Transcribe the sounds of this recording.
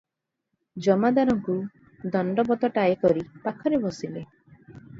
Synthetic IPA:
d͡ʒɔmad̪aɾɔŋku | d̪ɔɳɖɔbɔt̪ɔʈajɔkɔɾipakʰɔɾebɔsile

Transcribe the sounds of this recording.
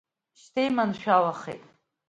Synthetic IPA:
ʃtʰejmanʃᶣawaχḛjtʼ

